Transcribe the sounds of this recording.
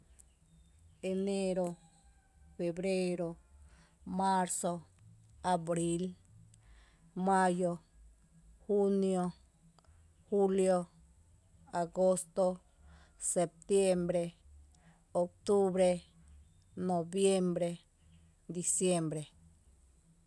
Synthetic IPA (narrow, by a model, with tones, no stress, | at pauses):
e˨ne˦ɾo˧ | fe˨bɾe˦ɾo˧ | ma˦ɾso˧ | a˨bɾi˦l | ma˦jo˧ | hu˦njo˧ | hu˦ljo˧ | a˨ɡo˦st̪o˧ | se˨p̚t̪je˦mbɾe˧ | o˨k̚t̪u˦bɾe˧ | no˨bje˦mbɾe˧ | d̪i˧sje˦mbɾe˨